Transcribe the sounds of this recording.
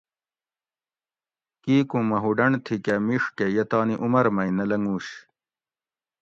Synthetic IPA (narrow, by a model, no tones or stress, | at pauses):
kiːkũmɐɦuɖɐɳt̪ʰikɐmiʂkejɐt̪aːniʔumɐɾmɐjnɐlɐŋuːɕ